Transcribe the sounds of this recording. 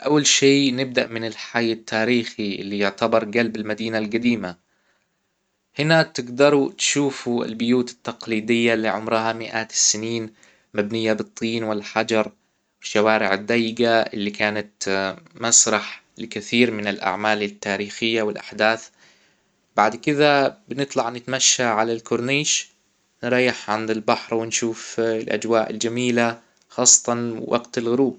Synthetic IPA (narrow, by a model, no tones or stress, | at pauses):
ʔawːalʃeːnɪb̚d̪aʔmɪnɪlħajːat̪ːaːɾiːxiʔɪ̰lːijʊʕt̪abɑɾˤɡalbalmad̪iːnalɡad̪iːma | hɪnat̪ɪɡd̪ɑɾˤut̪ʃuːfuɪ̰lbʊjuːt̪ɪ̥t̪ːɑqliːd̪ɪjːalːiʕʊmɾɦamɪʔaːt̪sɪniːn | mabnɪjːabɨt̪ˤːiːnwɪlħad͡ʒɑɾˤ | wɪʃːawaːɾɪʕɪd̪ːaːjːɪɡaɪ̰lːikaːnat̪masɾˤɑħ | lɪkaθiːɾmɪnɪlʔa̰ʕmaːlɪt̪ːaːɾiːxɪjːawɪlʔaħd̪aːθ | baʕd̪kɪd̪abɪnɨt̪ˤlɑʕnɪt̪maʃːaʕalalkʊɾniːʃ | nɾˤɑjːɪħʕand̪ɪlbaħɾˤwɪnʃuːflʔa̰d͡ʒwaːʔɪ̰ld͡ʒamiːla | xɑːsˤːɑ̥t̪ˤɑnwʔɑ̰ɡt̪alɣʊɾuːb̚